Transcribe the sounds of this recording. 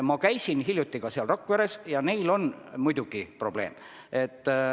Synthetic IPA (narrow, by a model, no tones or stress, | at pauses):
mɑkæjsinɦiljut̪ːˑiɡ̥ɑseɑlrokːuæɾe̞sjɑne̞jlo̞nmujd̪uɡ̥ipro̞b̥le̞ːm | e̞t̪ː